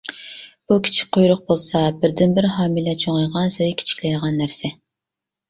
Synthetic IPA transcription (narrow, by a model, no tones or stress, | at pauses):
b̥ukʲʰi̥t͡ʃʰi̥k̚ʲqʰojɾʊq̚bolˠsɑbɪɾd̪ɪnbɪɾhɑːmilɛt͡ʃʰoŋɑjʁɑnsɪɾɪkʲʰi̥t͡ʃʰi̥kʲlɛjʁɑnːæɾsɪ